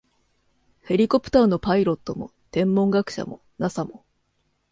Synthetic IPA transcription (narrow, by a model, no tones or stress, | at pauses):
he̞ɾʲiko̞pɯ̟̥t̪aːno̞paiɾo̞t̪ːo̞mo̞̰t̪ẽ̞mːõ̞ŋɡakɯ̟̥ɕa̰mo̞̰ | nasamo̞